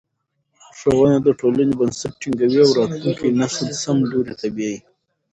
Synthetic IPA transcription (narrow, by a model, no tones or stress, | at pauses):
ʂawanad̪əʈʰolanebansɪʈ̚ʈiŋɡawiawɾɑt̪luŋkinasəlsamloɾit̪abiaji